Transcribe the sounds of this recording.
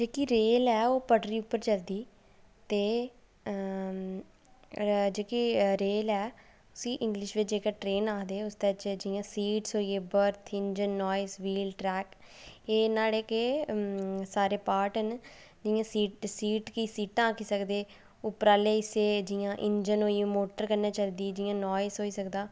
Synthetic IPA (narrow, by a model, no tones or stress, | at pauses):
d͡ʒeːkiːɾeːlɛːoːpəɖɾiːʊpːəɾt͡ʃəld̪iː | t̪eː | d͡ʒeːkiːɾeːlɛː | ʊsĩːʔɪ̃ŋɡlɪʃʋɪt͡ʃd͡ʒeːkeːʈɾeːnaːkd̪eːʊst̪et͡ʃd͡ʒɪjãːsiːʈsɦoːiːeːbəɾt̪ʰɪnd͡ʒənːɔːɪsʋiːlʈɾɛːkeːnaːleːke | saːɾeːpaːɾʈən | d͡ʒɪjãːsiːʈsiːʈkiːsiːʈãːkiːsəkd̪eː | ʊpːəɾaːleːɪseːd͡ʒɪjãːʔɪɲd͡ʒənɦoːiːmoːʈəɾkəɾnaːt͡ʃəld̪iːd͡ʒɪjãːnɔːɪsɦoːiːsəkd̪aː